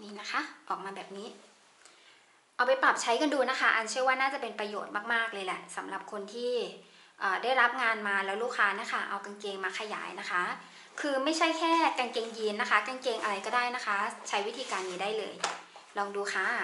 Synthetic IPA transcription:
niː˦˥na˦˥kʰa˦˥ʔɔː˨˩k̚maː˧bɛː˨˩p̚niː˦˥ | ʔa˧wpa˧jpɾa˨˩p̚t͡ɕʰa˦˥jka˧nduː˧na˦˥kʰa˦˥˩ʔa˧nt͡ɕʰɯ˥˩əwaː˥˩naː˥˩t͡ɕa˨˩pe˧npɾa˧joː˨˩t̪̚maː˥˩k̚maː˥˩k̚lɤː˧jlɛ˨˩ʔsa˩˦mɾa˨˩p̚kʰo˧nt̪ʰiː˥˩ | ʔɤː˨˩da˥˩jɾa˦˥p̚ŋaː˧nmaː˧lɛː˦˥wluː˥˩kʰːaː˦˥na˦˥˨kʰa˥˩ʔa̰˧wka˧nkeː˧ŋmaː˧kʰa˧ja̰ː˩˦jna˦˥kʰa˦˥ | kʰɯː˧ma˥˩jt͡ɕʰa˥˩jkʰɛː˥˩ka˧nkeː˧ŋji˧nːa˦˥kʰa˦˥ka˧nke˧ŋʔa˧ɾa˧jkɔː˥˩daː˥˩jna˦˥kʰa˦˥t͡ɕʰa˦˥jwi˦˥t̪ʰiː˧kaː˧nːiː˦daː˥˩jlɤ̰ː˧jlɔː˧ŋduː˧xʰaː˦˥

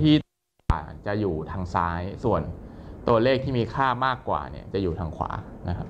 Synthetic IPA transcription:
t̪ʰiː˥˩t̪ː | t͡ɕa˨˩juː˨˩t̪ʰaː˧ŋsaː˦˥jsu˨˩ənt̪u˧ɐleː˥˩k̚t̪ʰiː˥˩miː˧kʰaː˥˩maː˥˩kːwa̰ː˨˩nḭ˦˥˩ɐt͡ɕa˨˩ʔjuː˨˩aː˧ŋkʰwa̰ː˩˦na˦˥kʰa˦˥p̚

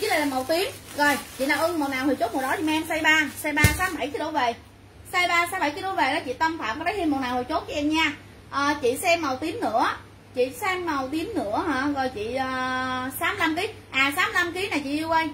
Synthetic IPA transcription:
la˨˩la˨˩ma˨˩wt̪i˨˦ənzo˨˩jt͡ɕḭ˧˨naː˨˧˩wʔɨ˧ŋmo˨˩t̚naː˨˩whɨ˨˩t͡ɕo˦˥m̚˨˩ɗɔ˨˦t͡ɕḭ˨˧˨ma˧ɛ˧msa˧jɓaː˧sa˧jɓaː˧saː˨˦˥ɓa˧˩jkɨ˧˨˦ɗo˧˦ve˨˩ | saː˧jɓaː˧saː˨˦ɓa˧˩jt͡ɕi˨˧˦ɗo˧˨˦ve˨˩ɗɔ˨˦t͡ɕḭ˧˨t̪ə˧mfa̰ː˧˨mkɔ˨˦ɗə˨˦hi˧mo˨˩t̚naː˨˩whɨ˨˩jt͡ɕo˨˦˥t̚ki˧˦ʔɛ˧mɲaː˧ | ʔəː˨˩t͡ɕḭ˧˨sɛ˧mːa˨˩wt̪i˨˦əmnɨ̰˧˥ə | t͡ɕḭ˧˨sɛ˧mːa˨˩wt̪i˨˦əmnɨ̰˧˥əhaː˧˩˨zo˨˩jt͡ɕḭ˧˨əː˨˩saː˨˦m˧la˧mki˨˦ | ʔaː˨˩saː˨˦mla˧mki˨˦naː˨˩jt͡ɕḭ˧˨ʔi˧kwə˧j

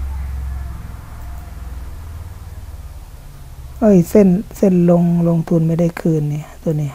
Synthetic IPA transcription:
ʔɤː˧˥˩jse˧˥˨nse˧˥˨nlo˧ŋlo˧ŋt̪ʰu˧˨nma˧jda˥˩jkʰɯː˧˩˨nːi˧˨t̪u˧˨niː˧˨

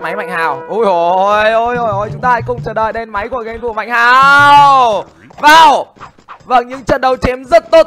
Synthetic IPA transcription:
ma˨˦jma̰˧˨jŋhaː˨˩wʔu˧˩jʔo˨jʔo˧˩jʔo˧˩jʔo˧˩jt͡ɕʊ˨˦ŋ͡mt̪aː˧kʊ̰˧˨ŋ͡mt͡ɕəː˧˩ɗə̰ː˧˨jɗe˧nma˨˦jku˧˩əɣə˧jŋfu˧˩ma̰˧˨jŋ̟haː˨˩w | vaː˨˩w | və̰˧˩nɲɨ̰˧˥ŋt͡ɕə̰˧˨nɗə˨˩wt͡ɕe˨˦mzə˦˥t̚t̪o˦˥t̚

